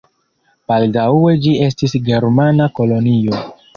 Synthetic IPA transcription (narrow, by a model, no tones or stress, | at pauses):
b̥aldawe̞d͡ʒie̞s̬tisɡe̞ɾmanako̞lo̞nio̞